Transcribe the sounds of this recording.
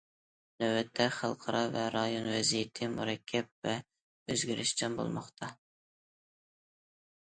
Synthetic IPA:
nøwɛt̪ʰːɛχɑlˠqʰɑɾɑvɛɾɑjonvɛzijɪt̪ʰɪmṵɾɛkʲʰːɛp̚vɛ | øzɡʲiɾʔɪʃt͡ʃʰɛnbo̰lˠmɑ̰χt̪ʰɑ

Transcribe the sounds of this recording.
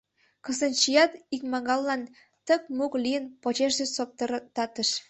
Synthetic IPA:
kə̆sə̆nt͡ɕijɑt̪ikmɑɣɑlːɑn | t̪ə̆k̚muklʲijənpot͡ɕeʃdesop̚t̪t̪ɑt̪ə̆ʃ

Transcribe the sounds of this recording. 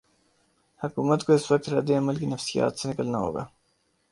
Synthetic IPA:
hɐkuːmət̪koɪswɐk̚t̪ɾa̰ːd̪eɐməlkinɐfsija̰ːt̪senɪkəlnaɦo̰ːɡa̰ː

